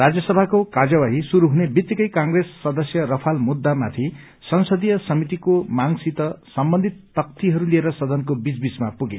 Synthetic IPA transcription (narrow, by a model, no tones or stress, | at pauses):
rad͡zjʌsʌbʱakokad͡zawaɦisuɾuɦunebit̪ːjikʌjkaŋɡresːʌd̪ʌsjʌɾʌpʰalmud̪ːamat̪ʰi | sʌnsʌd̪ijʌsʌmit̪̬ikomaŋsit̪ʌsʌmbʌnd̪ʱit̪ːʌk̚t̪iɦʌɾulieɾʌsʌd̪ʌnkobid͡zbismapuɡe